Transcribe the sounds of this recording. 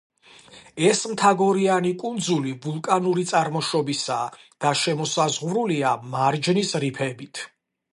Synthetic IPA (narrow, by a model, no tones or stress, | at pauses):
ɛsmt̪ʰaɡɔɾianikʼund̪zulibulˠkʼanuɾit̪sʼaɾmɔʃɔbisad̪̥aʃɛmɔsazʁvɾuliamaɾd͡ʒnisɾipʰɛbit̪ʰ